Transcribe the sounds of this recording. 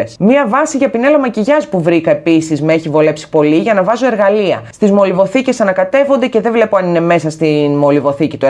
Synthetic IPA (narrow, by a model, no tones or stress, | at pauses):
smiɐvɐsiʝɐpine̞lɐmɐciʝɐspuvɾikɐe̞pisizmeeçivo̞le̞psi̥po̞liʝɐnɐvɐzoe̞ɾɣɐliɐ̰st̪izmo̞livo̞θice̞sɐnɐkɐt̪e̞vond̪e̞ce̞ðe̞vle̞poɐnine̞me̞sɐst̪inmo̞livo̞θicit̪u